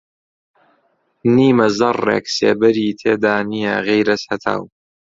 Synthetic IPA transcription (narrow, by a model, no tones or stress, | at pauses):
niːmɐzɐrːḛːksḛːbɐɾiːt̪ʰeːd̪aːnijɛ̰ɣejɾɐshɐt̪ʰa̰ːw